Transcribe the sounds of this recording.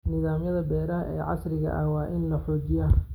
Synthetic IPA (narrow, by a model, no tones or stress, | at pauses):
nɪðaːmjɐðɐbɛːɾɐɦɐʔɛːʕɑ̰srɪɣɐ̰ʔɐ̰wɑːʔɪnlɐħɔːt͡ʃɪjaː